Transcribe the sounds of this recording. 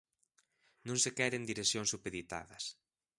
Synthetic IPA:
nõŋsekɛɾend̪iɾesjõŋsupeðit̪a̰ðɐs

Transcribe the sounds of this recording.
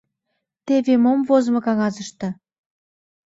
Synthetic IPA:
t̪eβemomvozmɤ̆kɑŋɑzəʃt̪ɤ̆

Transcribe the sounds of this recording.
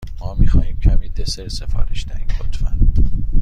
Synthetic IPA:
mɒːmiːxɒːhiːmcʰæmiːd̪eseɾsefɒ̰ːɾeʃd̪æhĩbot̪ʰfæ̰nd̪̥

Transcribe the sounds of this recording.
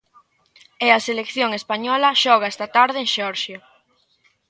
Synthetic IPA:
eɐselekθjoŋespaɲɔlɐʃɔɣ̞aɛst̪ɐt̪aɾðɪẽŋʃeɔɾʃja

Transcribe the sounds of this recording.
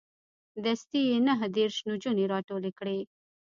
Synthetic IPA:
d̪əst̪ijenaɦd̪eɾʃnud͡ʒuneɾɑʈolekɽe

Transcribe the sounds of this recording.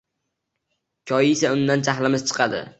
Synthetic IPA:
kʲʰɒjɪɪsaʊnd̪ant͡ʃʰaχlɪmɪz̥t͡ʃʰɨ̥qʰɑd̪ɪ̰

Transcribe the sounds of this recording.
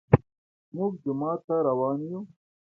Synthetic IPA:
muɡd̪ɪmaːt̪aɾɐwɑːnju

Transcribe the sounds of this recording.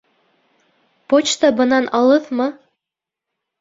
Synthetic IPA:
pot͡ɕt̪ɑbɤ̆nɑnʔɑlˠɤðmɤ

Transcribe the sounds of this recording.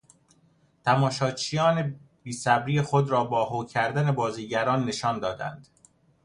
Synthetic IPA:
t̪ʰæmɒːʃɒːt͡ʃʰijɒːne̞ | b̥iːsæbɾiːjexod̪ɾɒːbɒːɦoːcʰæɾd̪æne̞bɒːziːɟæɾɒːnːe̞ʃɒːnd̪ɒːd̪æ̰nd̪̥

